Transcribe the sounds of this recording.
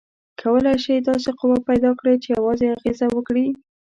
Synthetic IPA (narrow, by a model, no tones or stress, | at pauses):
kʰawəlajʃijd̪ɑs̬eqʊwapajd̪ɑkɽet͡ʃejawɑzeaɣezawəkɽi